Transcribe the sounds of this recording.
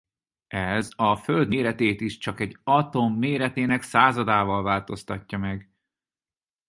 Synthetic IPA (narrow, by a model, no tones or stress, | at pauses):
ɛzɒføld̪meːɾɛt̪eːt̪iʃt͡ʃɒkɛɟɒt̪o̞mːeːɾɛt̪eːnɛksaːzɒd̪aːvɒlvaːlt̪o̞st̪ɒcːɒmɛɡ